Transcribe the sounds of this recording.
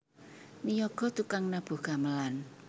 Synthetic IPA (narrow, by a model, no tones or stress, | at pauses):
nijɔɡ̥ɔ̤t̪ukaŋnab̥ṳɡ̥aməlan